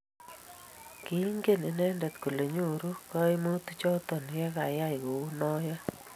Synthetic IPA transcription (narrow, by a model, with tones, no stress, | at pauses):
ki˦ŋɡe˦ne˨nɛ˦ndɛ˨t̪ku˨le˨ɲo˦˨ɾu˦kɔ˦i˦mo˦t̪u˦t͡ʃɔ˦t̪ɔ˨nkɛ˦ka˨ja˦jko˨u˦nɔ˦ja˦